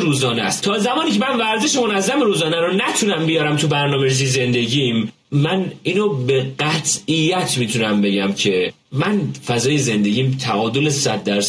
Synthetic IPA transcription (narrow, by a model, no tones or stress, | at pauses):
ɾuːzɒːnest̪t̪ʰɒːzæmɒːniːcʰe̞mænvæɾzeʃemo̞næzːæmeɾuːzɒːnæɾonæt̪ʰunæmbijɒːɾæmt̪ʰubæɾnɒːmeɾizize̞nd̪e̞ɟimː | æniːnobeɢæt̪ʰijːæt̪ʰmiːt̪ʰunæmbe̞ɟæmcʰe̞ | mænfæzɒːjeze̞nd̪e̞ɟiːmt̪ʰæʔɒːd̪olesæd̪̚ːæɾs